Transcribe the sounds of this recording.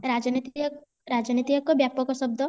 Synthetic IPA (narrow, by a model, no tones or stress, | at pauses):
ɾad͡ʒɔnit̪i | ɾad͡ʒɔnit̪ijɔkːɔbjapɔkɔʃɔb̚d̪ʱɔ